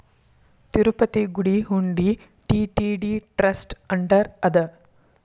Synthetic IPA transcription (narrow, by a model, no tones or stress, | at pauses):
t̪iɾupɐt̪iɡuɽiɦuɳɖi | ʈiːʈiɖiʈɾɐsʈɐɳɖɐɾɐd̪ɐ